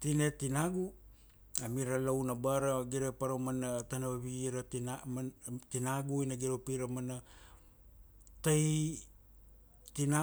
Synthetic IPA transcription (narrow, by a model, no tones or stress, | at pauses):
tine̞tinaɡu | amiɾalownabaɾaɡiɾapaɾomanatanaβaβiɾat | tinaɡuinaɡiɾopiɾamana | taj | tina